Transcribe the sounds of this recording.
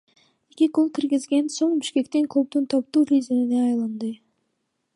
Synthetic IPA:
ekʲiqolˠkʲʰiɾɡizɡʲenso̞ɴbiʃkʲe̞kt̪iŋkʰlˠop̚d̪unt̪ʰɑp̚t̪uːɾʲizinineɑjlˠɑnd̪ɯ

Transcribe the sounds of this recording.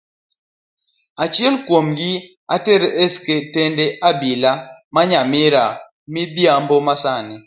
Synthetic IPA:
at͡ʃjɛlkwomɡɪ | atɛɾesketendɛʔabilamaɲamiɾa | mibjambomasani

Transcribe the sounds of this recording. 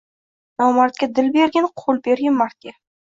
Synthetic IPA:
nawmaɾt̪̚kʲad̪ɪlbeɾɡʲɪnqʰolˠbeɾɡʲɪnmaɾt̪̚kʲa

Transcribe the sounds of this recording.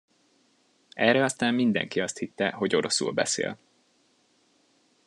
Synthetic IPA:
ɛːrɛɒst̪aːmːind̪ɛ̰ŋkiɒst̪hit̪ːɛɦo̞ɟo̞ɾo̞sṵːlbɛ̰sḛːl

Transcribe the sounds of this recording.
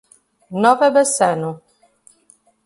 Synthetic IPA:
nɔvɛbəsɛnu

